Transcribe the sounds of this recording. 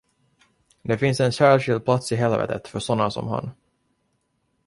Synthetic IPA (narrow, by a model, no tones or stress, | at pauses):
d̪ɛfɪnsɛnɕæːɭʂɪld̪̚pʰlat̪sɪɦɛlvɛ̰t̪ʰət̪fœʂɔnːasɔ̰mha̰n